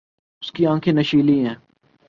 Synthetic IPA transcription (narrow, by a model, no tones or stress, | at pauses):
ʊskiãːkʰenɐʃiːliɦɛ̃ː